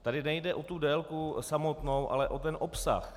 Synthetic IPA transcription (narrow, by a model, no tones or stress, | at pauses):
t̪adɪnɛjdɛʔot̪udɛːlkusamo̞t̪nowʔa̰lɛʔot̪ɛnʔopsa̰x